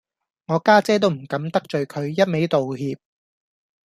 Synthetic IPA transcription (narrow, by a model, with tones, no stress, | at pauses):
ŋɔː˨˧kaː˥t͡sɛː˥t̪o˥wm̩˨˩kɐ˨˥mt̪ɐ˥k̚t͡ʃɵ˨ɥkʰɵ˨˧ɥjɐ˥t̚me˨˥jt̪o˨whiː˧p̚